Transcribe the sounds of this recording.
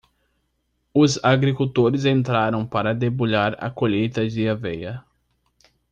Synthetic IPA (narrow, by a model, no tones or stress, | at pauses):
ʊzaɡɾikuwt̪oɾɪzẽnt̪ɾaɾɐ̃w̃paɾɐd̪eboʎaɾɐ̰koʎejt̪ɐd͡ʒɪavɛjɐ